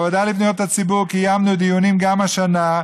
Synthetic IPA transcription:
vad̪alibnujot̪at͡sibuʁkijamnud̪ijonimɡamaʃana

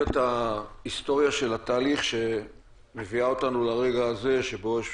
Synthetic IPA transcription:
etaist̪o̞ʁjaʃe̞lat̪aːliχʃe̞ | me̞viao̞tanulaʁe̞ɡaːze̞ʃe̞bo̞

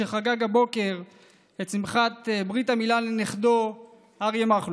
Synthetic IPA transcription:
eχaɡaɡabo̞ke̞ʁ | et͡simχat̪bʁitamilalneχd̪o | haʁjemaχlu

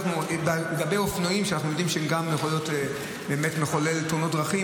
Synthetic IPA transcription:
χnubleɡabejofnoimʃeanaχnujo̞d̪imʃeemɡamjeχoljo̞te | be̞ːmetmeχolelt̪uno̞t̚dʁaχi

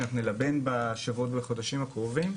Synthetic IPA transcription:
naχnunelabenbaʃavuot̪beχo̞d̪aʃimhakʁovim

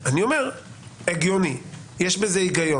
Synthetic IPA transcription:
aniomeʁeɡjonijeʃbezeiɡajo

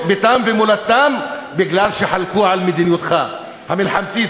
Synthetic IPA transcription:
bet̪amvemolat̪ːambiɡlalʃeħalkuʕalmed̪injut̪χa | hamilħamt̪it̪

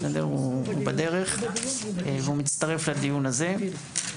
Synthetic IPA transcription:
adeʁuubad̪e̞ʁe̞χ | veumit͡st̪aʁe̞flad̪ijunaze̞

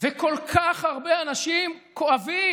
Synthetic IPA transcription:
veko̞lkʰaχaʁbeanaʃimkoavi

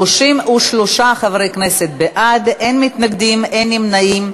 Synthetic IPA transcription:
uʃimuʃloʃaχavɾejkne̞set̪̚beʔad̪enmit̪naɡd̪imenimnaim

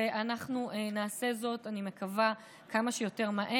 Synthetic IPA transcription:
eʔanaχnuenaːse̞zo̞tanime̞kava | kamaʃejo̞te̞ʁmaʔe

